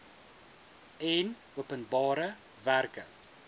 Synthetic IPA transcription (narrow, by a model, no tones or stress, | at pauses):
ɛn | uəpənbɑːɾə | værkə